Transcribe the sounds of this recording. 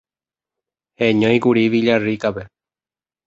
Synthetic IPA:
heɲõj̃kuɾiʋiʎarikape

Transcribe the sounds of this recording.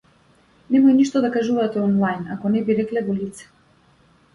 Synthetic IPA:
nɛmɔjniʃt̪ɔd̪akaʒuvat̪ɛɔnlˠajnakɔnɛbiɾɛklɛvɔlit̪sɛ̥

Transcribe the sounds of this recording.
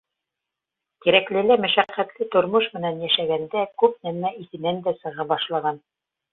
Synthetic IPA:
t̪iɾæklɘ̆læmæʃæqːæt̪lɘt̪ŏɾmɤʃmɘ̆nænjæʃæɡænd̪ækʉpnæmæiθɘ̆nænd̪æsɤ̆ʁɑbɑʃlˠɑʁɑn

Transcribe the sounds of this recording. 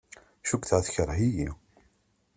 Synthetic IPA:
ʃukʷːθʁæθçəɾˤɦiji

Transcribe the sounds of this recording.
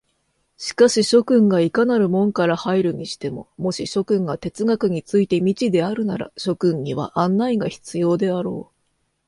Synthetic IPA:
ɕi̥kaɕiɕo̞kɯ̟̃ŋɡaikanaɾɯ̟mõ̞ŋkaɾahaiɾɯ̟ɲ̟iɕi̥t̪e̞mo̞̰mo̞ɕiɕo̞kɯ̟̃ŋɡat̪e̞t͡sɨɡakɯ̟ɲ̟it͡sɨit̪e̞mʲit͡ɕid̪e̞aɾɯ̟naɾa̰ɕo̞kɯ̟̃ɲɲiβ̞a̰ʔãnːaiɡaçi̥t͡sɨjo̞ːd̪e̞aɾo̞ː

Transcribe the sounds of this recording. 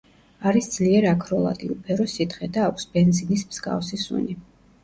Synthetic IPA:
aɾisd̪z̥liɛɾakʰɾɔlˠa̰d̪ḭupʰɛɾɔsit̪χɛd̪aːkʷʰsbɛnzinismz̥ɡa̰fsisṵni

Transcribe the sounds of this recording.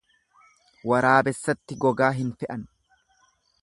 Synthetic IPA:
wɐɾaːbɛsːɐt̪ːɪɡɔɡaːɦɪnfɛʔɐn

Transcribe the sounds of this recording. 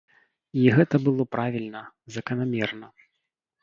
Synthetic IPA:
iɣɛt̪ɐbɨlˠɔpɾavʲilʲnɐ | zɐkɐnamʲɛrnɐ

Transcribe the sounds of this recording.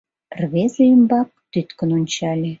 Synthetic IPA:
rβezeymbɑk̚t̪yt̪kə̆nonʲt͡ɕɑlʲe

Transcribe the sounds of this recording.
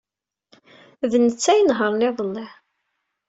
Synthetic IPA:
ðənət͡sːæjənɦəɾˤneðˤəlːɪħ

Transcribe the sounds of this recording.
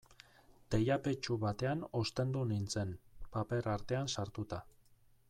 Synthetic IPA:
d̪̥e̞jape̞t͡ʃuβat̪e̞ano̞st̪e̞nd̪unint͡se̞npape̞ɾaɾt̪e̞ansaɾt̪ut̪a

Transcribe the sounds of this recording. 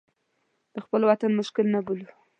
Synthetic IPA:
d̪̥əxpəlwat̪anmʊʃkɪlnabulu

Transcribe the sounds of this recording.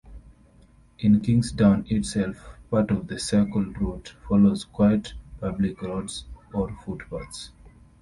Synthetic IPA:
ʔĩnkĩŋsdãʊ̃nɪtsɛlfpatɔvðəsɛkəlɹutfɔlozkwaɪətpablikɹɔdsɔɹfutpats

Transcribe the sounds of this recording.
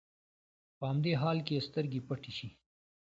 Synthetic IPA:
pəɐmd̪eːɦaːlkest̪əɾɡipɐʈiʃi

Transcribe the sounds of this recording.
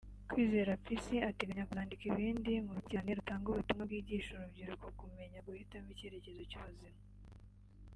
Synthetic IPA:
kwiːze̞ɾafisiate̞ɡaɲakuaːndikiβiːndimuɾutaneɾutaːŋɡuβutumŋabɡiːɟiːʃuɾubɟiɾukokume̞ɲaɡuhitamiceɾe̞ce̞zo̞cuuzima

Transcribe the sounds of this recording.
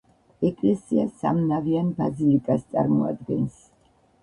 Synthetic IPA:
ɛkʼlɛsiasa̰mnavianbazilikʼast̪sʼa̰ɾmɔa̰d̪̚ɡɛns

